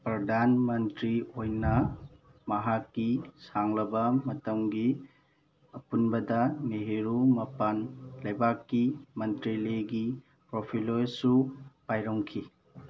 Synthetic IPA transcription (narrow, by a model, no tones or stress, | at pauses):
pɾɐdʱanmɐntɾiojnɐ | mɐɦakːisaŋlɐbɐmɐtɐmɡi | ɐpunbɐdɐneɦeɾumɐpanlɐjbakːimɐntɾiliɡi | pɾopʰilojsupajɾɐŋkʰi